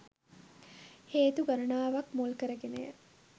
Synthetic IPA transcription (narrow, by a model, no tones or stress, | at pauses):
heːt̪uɡɐɾunaːʋɐkmolkəɾəɡeneː